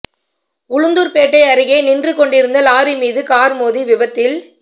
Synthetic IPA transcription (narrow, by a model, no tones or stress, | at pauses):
ʊɻɯnd̪ɯɾpeːʈːɐɪɐɾɯɣɐɪnɪndrɯkːɔɳɖɪɾɯnd̪ɐlaːɾimiːðɯkaːɾmoːðiʋɪbɐt̪ːɪl